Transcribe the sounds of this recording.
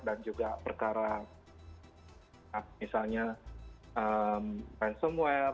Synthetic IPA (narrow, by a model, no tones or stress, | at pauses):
dand͡ʒuɡapərkaɾa | apamisalɲaʔəmpansəmua